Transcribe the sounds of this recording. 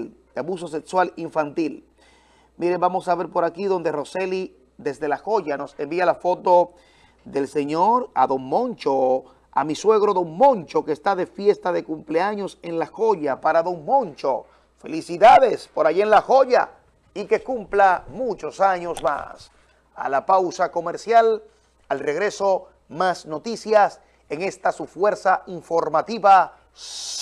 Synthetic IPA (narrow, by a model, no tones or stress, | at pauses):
ld̪eaβus̬o̞s̬e̞kswaliɱfant̪il | miɾe̞mbamo̞saβe̞ɾpo̞ɾakiðo̞nd̪ero̞se̞li | ðe̞zðe̞laxo̞ʝano̞se̞mbialafo̞t̪o̞ | ðe̞lse̞ɲo̞ɾa̰ðo̞ŋmõ̞nt͡ʃo | a̰miswe̞ɣɾo̞ðo̞ŋmõ̞nt͡ʃo̞kest̪aðe̞fje̞st̪aðe̞kumpleaɲo̞se̞nlaxo̞ʝapaɾaðo̞ŋmõ̞nt͡ʃo | fe̞̰lisiðaðe̞spo̞ɾaʝienlaxo̞ʝa̰ | ike̞kumplamut͡ʃo̞saɲo̞sma̰s | a̰lapawsako̞meɾsjal | alre̞ɣɾe̞so̞ | masno̞t̪isjas | e̞ŋe̞st̪asufwe̞ɾsaiɱfo̞ɾmat̪iβa